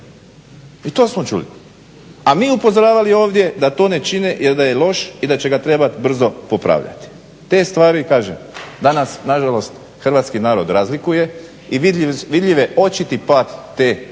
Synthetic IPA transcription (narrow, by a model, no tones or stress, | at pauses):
it̪o̞ːsmot͡ʃṵlḭ | amiːupozoɾaːʋalio̞ːʋd̪je̞d̪at̪o̞ːne̞t͡ʃinejeɾd̪aje̞lo̞ʃid̪at͡ɕe̞ɡat̪ɾe̞bat̪ibr̩zo̞popɾa̰ːʋʎa̰t̪i̥ | t̪e̞ːst̪ʋaːɾikaːʒemd̪anasnaʒalo̞st̪ | xr̩ʋaːt̪skinaːɾo̞d̪ɾazlikuje̞ | iʋiʋid̪ʎiʋeo̞t͡ʃit̪ipaːt̪ːeː